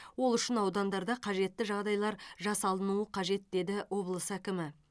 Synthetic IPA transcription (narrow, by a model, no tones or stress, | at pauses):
wo̞lˠʏʃɪnɑwd̪ɑnd̪ɑɾd̪ɑqʰɑʒe̞t̪ːɪʒɑʁd̪ɑjlˠɑɾʒɑsɑlˠənuəqʰɑʒe̞t̪̚d̪e̞d̪ɪwo̞blˠəsəækʲɪmɪ